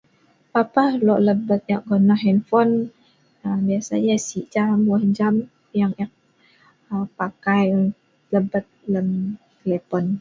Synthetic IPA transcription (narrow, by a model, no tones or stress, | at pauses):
papahlɔʔləbət̪̚jaʔ̚ɡonaɦɛnfɔn | əbiasa̰jasiʔd͡ʒamɔhd͡ʒam | jaŋjaʔ̚ | əpakaj | ləbət̪̚ləmt̪əlɛpɔn